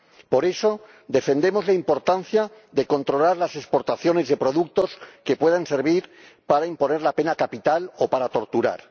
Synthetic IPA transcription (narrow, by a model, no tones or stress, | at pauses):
po̞ɾe̞so̞ | d̪e̞fe̞nd̪e̞mo̞zlaimpo̞ɾt̪anθja | ðe̞ko̞nt̪ɾo̞laɾlase̞spo̞ɾt̪aθjo̞ne̞zðe̞pɾo̞ðuk̚t̪o̞ske̞pwe̞ð̞anse̞ɾβiɾ | paɾaimpo̞ne̞ɾlape̞nakapit̪alopaɾat̪o̞ɾt̪uɾa̰ɾ